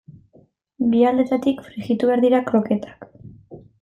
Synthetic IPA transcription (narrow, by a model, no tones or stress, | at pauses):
biald̪e̞t̪at̪ikfɾiɣit̪uβe̞aɾðiɾakɾo̞ke̞t̪ḁk